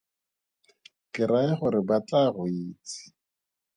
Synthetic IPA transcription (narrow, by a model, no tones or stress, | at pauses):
kɪɾaɪχʊɾɪbat͡ɬarʊiːt͡sɪ̥